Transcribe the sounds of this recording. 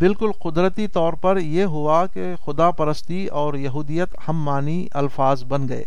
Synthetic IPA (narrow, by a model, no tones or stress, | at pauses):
bɪlkʊlqʊd̪ɾət̪it̪ɔːɾpɐɾjeːɦʊake | xʊd̪apɐɾəst̪i | ɔːɾjɐɦuːd̪ijət̪hɐmːaːni | ɐ̰lfaːzbɐnɡɐḛː